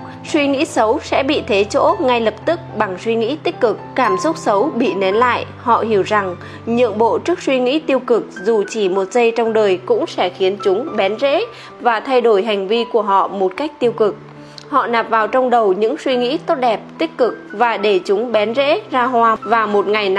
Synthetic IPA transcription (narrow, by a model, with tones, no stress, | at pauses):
swi˧ŋḭ˧˥sə˨˦wsɛ̰˧˥ɓḭ˧˨t̪ʰe˨˦t͡ɕo̰˧˥ŋa˧jlə˨˩p̚t̪ɨ˦˥k̚ɓa˨˩ŋswi˧ŋḭ˧˥t̪i˦˥k̟̚kɨ˨˩k̚ːaː˧˩mso˦˥t̚sə˨˦wɓḭ˧˨ne˨˦nla̰ː˧˨j | hɔ̰˧˨hi˧˩əwza˨˩ŋ | ɲɨ̰˧˨əŋɓo̰˧˨t͡ɕɨ˦˥ək̚swi˧ŋḭ˧˥t̪i˧əwkɨ˨˩k̚zu˨˩t͡ɕi˧˩mo˨˩t̚zə˧jt͡ɕɔ˧wŋ͡mɗəː˨˩jkʊ̰˧˥ŋ͡msɛ̰˧˥xi˨˦ənt͡ɕʊ˨˦ŋ͡mɓɛ˨˦nzḛ˧˥ | vaː˨˩t̪ʰa˧jɗo˧˩jɦa˨˩ŋ̟vi˧ku˧˩əɦɔ̰˧˨mo˨˩t̚ka˦˥jk̚t̪i˧əwkɨ˨˩k̚ | hɔ̰˧˨naː˨˩p̚vaː˨˩wt͡ɕɔ˧wŋ͡mɗə˨˩wɲɨ̰˧˥ŋswi˧ŋḭ˧˥t̪o˦˥t̚ɗɛ˨˩p̚t̪ï˦˥k̟̚kɨ˨˩k̚vaː˨˩ɗe˧˩t͡ɕʊ˨˦ŋ͡mɓɛ˨˦nzḛ˧˥zaː˧ɦwaː˧vaː˨˩mo˨˩t̚ŋa˨˩jn˧